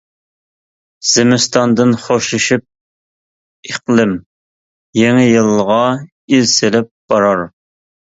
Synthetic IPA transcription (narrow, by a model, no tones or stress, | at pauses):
z̥ɪmɪst̪ʰɑnd̪ɨnχoʃuʃip̚ | eqlˠɪm | jeŋɪjɨlˠːʁɑ | izsɪlɪp̚b̥ɑɾɑɾ